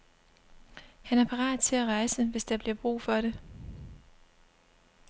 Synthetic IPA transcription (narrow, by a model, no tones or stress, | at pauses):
hænæɐpʰɑ̈ʁɑ̰̈ːd̥ˠt͡sʰe̝læʁɑ̈ɪsəʋe̝sd̥ɑ̈b̥liɐb̥ʁṵːfɒ̽ɾe̝